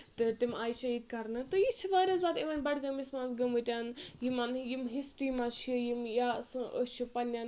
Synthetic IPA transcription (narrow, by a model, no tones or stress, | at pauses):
t̪ɨt̪imʲaːiʃɐiːd̪kɐɾnɨt̪ojit͡ʃʰiʋaːɾʲazaːɾiʋɐnʲbɐɽɡɐmismãːnsɡɐmut̪ʲanjimanjimɦisʈɾiːmaʃʰijimjasɨot͡ʃʰipɐnʲan